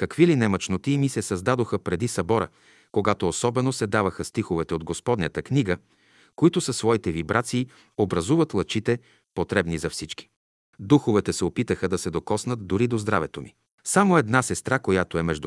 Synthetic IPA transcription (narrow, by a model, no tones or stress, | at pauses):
kɐkvilinɛmɐt͡ʃnot̪iːmisɛsɐzd̪ad̪oxəpɾɛd̪isɐbɔɾə̰ | koɡat̪oːsɔbɛnosɛd̪avəxəst̪ixovɛt̪ɛod̪ɡospɔd̪nʲət̪əkniɡə | koit̪ʊsɐsvɔit̪ɛvibɾʔat̪siː | obɾɐzuvət̪lˠɐt͡ʃit̪ɛ | pot̪ɾɛbnizɐfsit͡ʃki̥ | d̪uxovɛt̪ɛsɛopit̪əxəd̪ɐsɛd̪okɔsnət̪̚d̪ʊɾid̪ozd̪ɾavɛt̪omi | samoɛd̪nasɛst̪ɾakojat̪oɛmɛʒd̪